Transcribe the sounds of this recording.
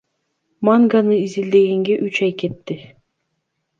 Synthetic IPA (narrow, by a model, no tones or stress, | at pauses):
maŋɡanɯizild̪e̞ɡeŋɡeʔyt͡ʃɑjke̞t̪ːɪ